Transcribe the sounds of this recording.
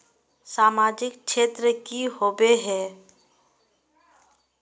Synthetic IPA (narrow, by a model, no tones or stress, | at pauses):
saːmaːd͡ʒɪkʃeːt̪ɾəkiɦoːbeɦɛː